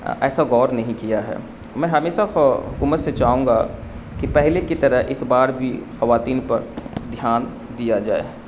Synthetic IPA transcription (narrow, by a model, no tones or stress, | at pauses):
ɛ̰ːsaɡɔːɾnɐɦĩkijaɦɛ̰ː | mɛ̃ɦɐmeːʃaʊkuːmət̪set͡ʃaːɦũːŋɡakipɛɦlekit̪ɐɾəɦʔɪsbaːɾbʱixɐʋaːt̪iːnpɐɾd̪ʱjaːn | d̪ijad͡ʒaːḛː